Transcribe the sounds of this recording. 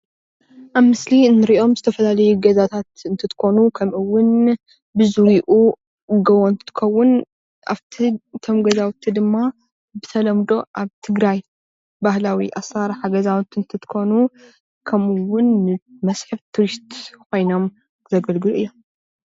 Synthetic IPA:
ʔaβmɨslinːɨɾio̞mzɨt̪ʰɐfɐlalɐjuɡɐzat̪ʰat̪ɨnt̪ʰɨt̪ʰɨ̥kʰo̞nukʰɐmʔɨwʊn | bɨzɨwiʔu | ɡɐβont̪ʰɨ̥t̪ʰɨ̥kɐwːʊn | ʔa̰βt̪ʰit̪ʰo̞mɡɐzawt̪ʰːid̪ɨmːa | bɨt̪ʰɐlɐmd̪o̞ʔaβt̪ʰɨɡɾaj | bahlawḭʔasaɾħaɡɐzawt̪ːɨnt̪ʰɨt̪ʰɨ̥ko̞nu | kʰɐmɨwʊnːɨmɐsħɨβt̪ʰuɾist̪kʰo̞jno̞m | zɐɡɐlɡɨluɨjːo̞m

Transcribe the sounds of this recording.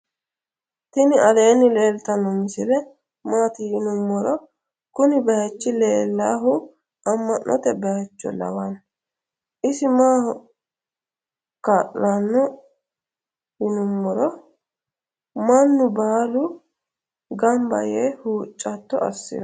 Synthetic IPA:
t̪ɪnɪɐleːnːɪle̞ːlt̪ɐnːɔmɪsɪlɛ | maːt̪ɪjɪnʊmːɔɾɔ | kʊnɪbɛjɐt͡ʃːɪleːlːaːɦʊ | ʔɐmːɐnːʔɔ̰t̪ɛbɛjɐt͡ʃːɔ̰lɐ̰wɐn | ʔɪsɪmaːhɔ | kaːʔlanːɔ | hɪnʊmːɔɾɔ | mɐnːʊbɐaːlʊ | ɡɐmbɐ̰jeːhuːt͡ʃʼːɐt̪ːɔɐ̰sːɪ̰ɾɐ

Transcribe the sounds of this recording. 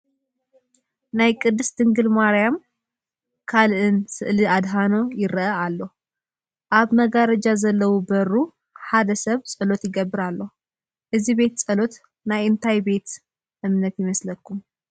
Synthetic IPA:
najkʼɨd̪ːɨst̪ʰɨŋɡɨlmaɾjam | kʰalʔɨnsɨʔlɨad̪ɦanojɪɾəʔəalːəhu | ʔaβməɡaɾəd͡ʒazəlːəwubəru | had̪əsəβsʼəlo̞t̪jɪɡəbːɨɾalːəhu | ʔɨzibe̞t̪sʼəlo̞t̪ | najɨnt̪ʰajbe̞t̪ | ʔɨmnət̪jɪməsləkʰːum

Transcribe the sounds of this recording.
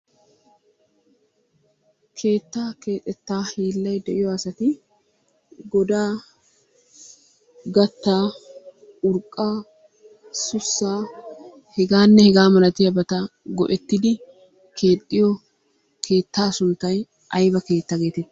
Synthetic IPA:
kʰe̞ːt̪ːaːke̞ːt̪ʼːɛt̪ːaːhiːlːɐjd̪ɛʔɪjɔɐsɐt̪ɪ | ɡɔd̪aː | ɡɐt̪ːaː | ʊɾkʼːaː | sʊsːaː | hɛɡaːnːɛhɛɡaːmɐlɐt̪ɪjɐbɐt̪ɐɡɔ̰ʔɛt̪ːɪd̪ɪ | kʰe̞ːt̪ʼːɪjɔ | kʰe̞ːt̪ːaːsʊnt̪ːɐj | ʔɐjbɐke̞ːt̪ːɐɡe̞ːt̪ɛt̪ːɪ

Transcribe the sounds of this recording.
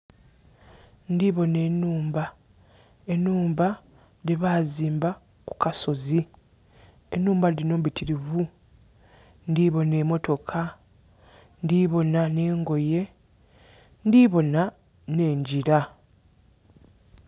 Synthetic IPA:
ndiβo̞ne̞ːnːuːmba | enːuːmba | ɾeβaːziːmba | ku̥kaso̞zi | e̞nːuːmbaɾiɾino̞ːmβitʰiɾivu | ndiβo̞ne̞mo̞to̞kʰa | ndiβo̞nane̞ːŋɡo̞je̞ | ndiβo̞na | ne̞ːɲɟiɾa

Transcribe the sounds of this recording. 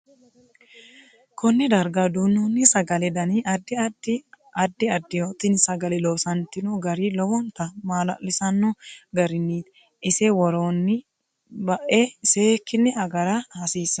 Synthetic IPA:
kʰɔnːɪd̪ɐɾɡad̪uːnːuːnːɪsɐɡɐlɛd̪ɐniʔɐd̪ːɪdɪ | ɐd̪ːɪɐd̪ːɪjoːt̪ɪnsɐɡɐlɛloːsɐnt̪ɪnuɡɐɾiːlɔwɔnt̪ɐmaːlɐ̰ʔlɪsɐnːɔɡɐɾɪnːiː | ɪsɛwɔɾoːnːɪ | bɐʔeːseːkːɪnːɛɐɡɐɾahɐsiːsɐ

